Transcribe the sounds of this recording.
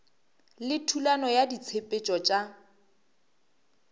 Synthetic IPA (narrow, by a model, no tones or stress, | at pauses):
lɪtʰulanɔjadit͡sʰepʼet͡ʃʼɔt͡ʃʼa